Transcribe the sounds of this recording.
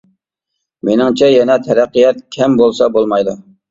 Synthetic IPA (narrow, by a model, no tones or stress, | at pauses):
menɪŋt͡ʃʰɛjɛnɛt̪ʰɛɾæqːijɛt̪̚kʲʰɛmbolˠsɑbolˠmɑjd̪u